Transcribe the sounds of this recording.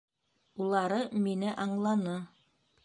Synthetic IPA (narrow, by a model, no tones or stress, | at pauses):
ulˠɑɾɤminɘʔɑɴlˠɑnɤ